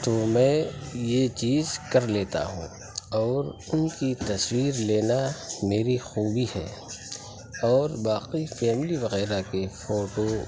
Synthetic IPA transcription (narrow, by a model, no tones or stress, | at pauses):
tomɛ̃ːjet͡ʃiːzkɐɾleːt̪a̰ɦṵ̃ː | ɔːɾʊnkit̪ɐswiːɾleːnameːɾixuːbiɦɛ̰ː | ɔːɾbaːqifɛːmliʋɐɣɛːɾakefoːʈo